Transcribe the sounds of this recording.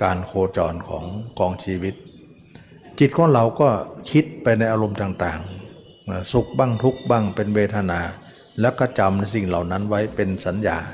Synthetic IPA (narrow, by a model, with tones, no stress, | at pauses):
kaː˧nkʰoː˧t͡ɕɔː˨˩nkʰɔ̰ː˩˦ŋkɔː˧ŋsiː˧wi˦˥t̪̚ | t͡ɕi˨˩t̪̚kʰɔː˨˦ŋla˧˩wkɔː˥˩kʰi˦˥t̪̚pa˧jna˧jʔaː˧ɾo˧mt̪ʰaː˨˩ŋt̪aː˨˩ŋː˧˩ | su˨˩k̚ba˧˥˩ŋt̪ʰu˦˥k̚ba˧˥˩ŋpe˧nweː˧t̪ʰa˧naː˧ | lɛ˦˥˩wka˧˩t͡ɕa˧mna˧jsi˨˩ŋla˨˩wna˦˥˨nwa˦˥jpe˧nsa˨˦njaː˨˧˩